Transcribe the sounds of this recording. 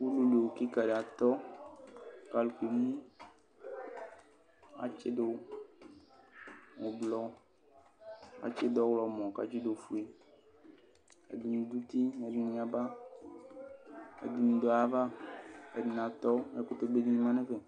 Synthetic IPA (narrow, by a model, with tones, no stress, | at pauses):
wu˦lu˨lo˨ki˦ka˨ɖe˨a˨t̪ɔ˦ | ka˨lu˨kʷe˨m˦ĩ˦ | a̰˨t͡ʃe˦do˦ | wo˨blɔ˦ | a̰˨t͡ʃe˦d̪ɔ˦wlɔ˨mɔ̃˨ka̰˨d͡ʒi˦do˨fu˦e˨ | ḛ˨di˨nũ˨d̪u˦t̪i˦e˨di˨nĩ˨a˨ba˦ | ḛ˨di˨nũ˨d̪ɔ˨a˨va˦e˨di˨n˨a˨t̪ɔ˦e˦ko˦t̪o˦ɡ͡be˦di˦ɲĩ˦mã˦nẽ˦ve˨